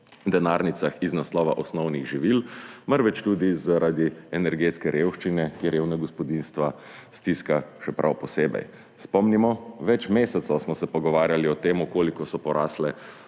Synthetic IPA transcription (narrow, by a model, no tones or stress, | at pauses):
d̪ɛnaːɾnit̪saxiznaslɔːʋa̰ʔɔsnɔwniɣʒiʋilmaɾʋɛt͡ʃt̪uːd̪izaɾʔad̪iɛnɛɾɡeːt̪skɛɾewʃt͡ʃinɛkeɾjewnaɡɔspɔd̪inst̪ʋa | st̪iskaʃɛpɾʔa̰wpɔseːbɛ̰j | spɔmnimɔʋɛt͡ʃmeːsɛt̪sɔwsmɔsɛpɔɡɔʋaːɾjaliɔt̪eːmukoːlikɔsɔpɔɾaːslɛ